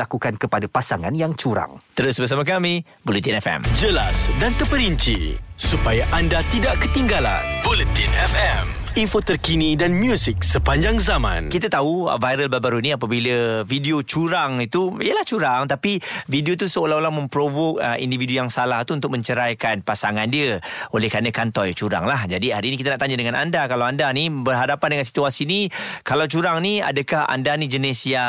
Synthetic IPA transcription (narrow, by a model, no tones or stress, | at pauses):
akukankəpadapasaŋa̰njaŋt͡ʃuɾa̰ŋt̪əɾʊsbərs̬amakami | bolit̪inɛfɛ̰md͡ʒəla̰sdant̪əpəɾiɲt͡ʃḭsupajaʔandat̪idaʔkət̪iŋɡala̰nbolət̪inɛfɛm | infot̪ərkinidanmjusik̚səpaɲd͡ʒaŋzamã̰nkit̪at̪aṵvajɾəlbabaɾuniapabiləvidiot͡ʃuɾaŋit̪uiəlaht͡ʃuɾaŋt̪apividiot̪̬usəolaɦolaŋmə̃mpɾovokəʔḭndividujaŋsalaht̪uunt̪ʊk̚mə̃ɲt͡ʃəɾajkanpasaŋandiəolɛhkɾanəkant̪ɔjt͡ʃuɾa̰ŋlahd͡ʒadiɦaɾiːnik̬it̪aənaʔt̪aɲədəŋana̰ndakalawandanibərɦadapandəŋansi̥t̪uasinikalawt͡ʃuɾaŋnia̰dəkaha̰ndanĩd͡ʒənesia